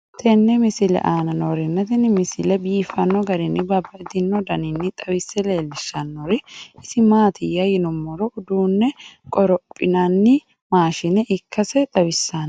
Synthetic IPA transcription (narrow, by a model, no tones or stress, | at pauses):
t̪ʰɛnːɛmɪsɪlɛ̰ʔaːnɐnoːɾɪnːɐt̪ɪnmɪsɪlɛbiːfɐnːɔɡɐɾɪnːɪbɐbːɐɪd̪ɪnːɔd̪ɐnɪnːɪt̪ʼɐwɪsːɛleːlːɪʃːɐnːoɾɪɪsɪmaːt̪ɪjɐjɪnʊmːɔɾɔʔʊd̪uːnːɛkʼɔɾɔpʼːɪnɐnːɪ | maːʃɪnɛʔɪkːɐsɛt̪ʼɐwɪsːan